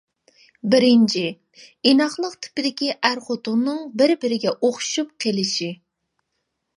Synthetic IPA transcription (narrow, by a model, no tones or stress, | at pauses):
bɪɾɪnt͡ʃʰi | inɑχlˠəqt̪ʰɪ̥pɪd̪ɪkʲiʔæɾχot̪ʊʁnɨŋbɪɾbɪɾɪɡʲɛʔoχʃup̚qʰelɪʃi